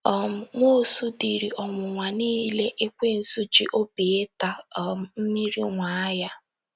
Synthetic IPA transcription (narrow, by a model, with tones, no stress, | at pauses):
ɔ˦˨m̩˨ŋʷo˦˨su˦di˨ɾi˨ʔɔ˨ŋʷʊ˨ŋʷa˨niː˦le˦ʔe˦kʷe˦n̩˨su˦d͡ʒi˦ʔo˦bi˨e˦ta˨˦˨m̩˨m̩˦mi˦ɾḭ˦ŋʷa˨a˦ja˦